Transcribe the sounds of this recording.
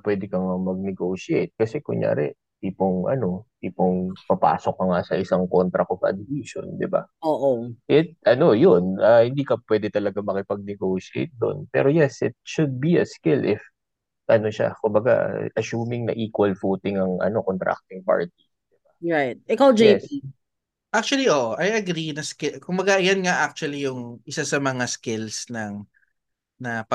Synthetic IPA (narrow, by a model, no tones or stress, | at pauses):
pwɛd̪ɪkɐŋɐmɐɡ̚nɛɡoːʃiejt̪̚kɐsɛkʊŋja̰ːɾɛ̰ | t̪iːpoŋʔɐ̰no̞t̪iːpoŋpɐpa̰ːsok̚ːɐŋasɐʔɪsaŋkont̪ɾɐkofʔɐ̰d̪ɪsiʃo̰nd̪ɪba̰oːʔoʔɪt̪̚ʔɐno̞jonʔɐhɪnd̪iːkɐpwɛd̪ɪt̪ɐlɐɡamɐkɪpɐɡ̚nɛɡowʃiʔḛjt̪̚d̪o̞̰npɛ̰ːɾo̞jɛsʔɪt̪̚ʃʊd̪̚biɐskɪlʔɪf | ʔɐno̞ʃa̰kʊmbɐɡa̰ʔɐsuːmɪŋnɐ̰ʔiːkwɐlfoːt̪ɪŋɐŋʔɐ̰no̞kont̪ɾa̰k̚t̪ɪŋpa̰ɹt̪̚i | d̪̥ɪbaɹajt̪̚ʔɛkawd͡ʒei | ʔak̚t͡ʃʊwɐliʔoʔʔɐjɐɡɾinɐskɪkʊmbɐɡajɐnŋaʔak̚t͡ʃʊwɐlijʊŋʔɪsasɐmɐŋaskɪlsnɐŋ | nɐpɐ